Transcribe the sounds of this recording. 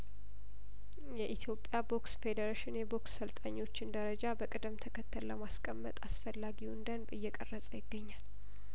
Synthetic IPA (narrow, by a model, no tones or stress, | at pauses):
jɛʔit̪ʰjo̞pʼːjabo̞ksfe̞d̪əɾaʃɪnjɛbo̞ksːəlt̪ʼaɲːo̞t͡ʃːɪnd̪əɾəd͡ʒabəkʼɨd̪ɨmt̪ʰəkʰət̪ʰːəlːəmaskʼəmːə̰t̪ʼasfəlːaɡiwʊnd̪ənbɨjːɛkʼərːəsʼəjɪɡːəɲːal